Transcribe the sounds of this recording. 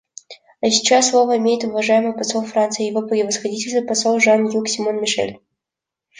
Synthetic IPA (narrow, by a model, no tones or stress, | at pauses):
ɐsʲɪ̥t͡ɕasːlˠo̞vəimʲejɪt̪ʊvɐʐajɪməjpɐsolˠfɾant̪sɨjəjɪvopɾʲɪvəsxɐdʲitʲɪlʲsʲt̪vəpɐsolˠʐanjuksʲɪmonmʲɪʂɛ̰lʲ